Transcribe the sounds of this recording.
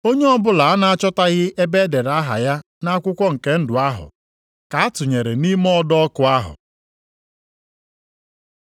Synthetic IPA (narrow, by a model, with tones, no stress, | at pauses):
o˦ɲe˦ɔ˦bʊ˦la˨a˦na˦a˦t͡ʃɔ˦ta˦ɣɪ˦e˦be˦de˨ɾa˦ɦa̰˨ja˦ | na˦a˦kʷʊ˦kʷɔ˦ŋ̩˨ke˦n̩˦dʊ˨a˦ɦʊ̰˨ | ka˨a˦tʊ˨ɲe˨ɾe˨ni˦mɔ˦ɔ˦dɔ˦ɔ˦kʊ˦a˦ɦʊ̰˨